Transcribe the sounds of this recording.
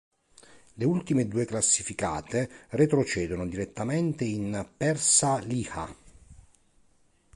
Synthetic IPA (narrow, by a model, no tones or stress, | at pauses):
leult̪imed̪uːeklasːifikaːt̪eret̪ɾot͡ʃɛːd̪onod̪iɾet̪ːament̪einpɛrsaliːxa̰